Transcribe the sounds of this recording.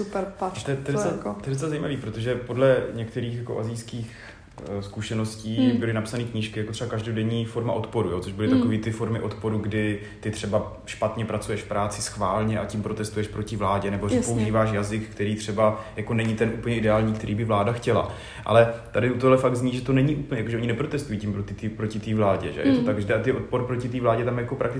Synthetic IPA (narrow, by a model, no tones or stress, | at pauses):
supɛɾpat̪ɛt̪oɛak̪ojɛdot͡sɛlazajiːmaviːpɾot̪oʒɛpo̞dlɛɲɛk̚t̪ɛɾiːxjako̞̰ʔazɪjskiːx | skuʃɛno̞sciːbɪlɪnapsanikɲɪʃkɪjakot̪r̥ɛbakaʒdodɛɲiːfo̞ɾma̰ʔo̞t̪po̞ɾujo̞ːt͡so̞ʒbɪlɪt̪akoviːt̪ɪfo̞ɾmɪʔo̞t̪po̞ɾuɡdɪ | t̪ɪt̪r̝̥ɛba | ʃpat̪ɲɛpɾat͡sujɛʃfpɾaːt͡sɪsxvaːlɲɛʔacimpɾo̞t̪ɛst̪ujɛʃpɾo̞cɪvlaːɟɛnɛborɛpouʒiːvaːʃjazɪkkt̪ɛɾiːt̪r̥ɛbajako̞nɛɲɪt̪ɛnʔuːpəɲɛʔɪdɛaːlɲiːkt̪ɛɾiːbɪvlaːdaxcɛla̰ | ʔa̰lɛt̪adɪut̪oɦlɛfaɡ̪̚zɲiːʒɛt̪onɛɲɪʔuːpl̩ɲɛjakoʒɛoɲɪnɛpɾo̞t̪ɛst̪ujiːcimpɾot̪ɪt̪iːpɾo̞cɪt̪iːvlaːɟɛ̰ʒɛ̰jɛ̰t̪ot̪aɡʒɛdɛat̪ɪot̪̚po̞ɾpɾocɪt̪̬iːvlaːɟɛt̪amjako̞pɾak̚t̪ɪ